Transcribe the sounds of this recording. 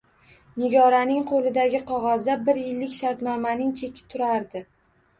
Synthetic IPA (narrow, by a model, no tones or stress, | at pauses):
nɪɡʲɒɾanɪŋqʰolɪd̪aɡʲɪqʰɒʁɒzd̪abɪɾjɪlːɪkʲʃaɾt̪nɒmanɪŋt͡ʃʰe̞kʲʰɪ̥t̪ʰʊɾaɾd̪ɪ